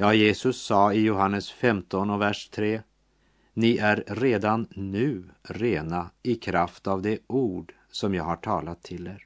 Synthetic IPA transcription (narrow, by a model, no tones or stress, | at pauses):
jɑːjeːsɵsːɑːɪjʊɦanːəsfɛmt̪ɔnɔvæʂt̪ʰɾeː | nɪʔæɾːeːd̪anːʉ̟ːɾeːnaɪkʰɾaft̪avd̪ɛʔuːɖ | sɔmjɑːɡhaʈʰɑːlat̪ʰːɪld̪eːɾ